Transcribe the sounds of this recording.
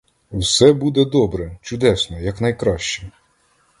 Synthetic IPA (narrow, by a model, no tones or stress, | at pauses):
wsɛbud̪ɛd̪ɔbɾɛt͡ʃʊd̪ɛsnɔjɐknɐjkɾɑʃt͡ʃɛ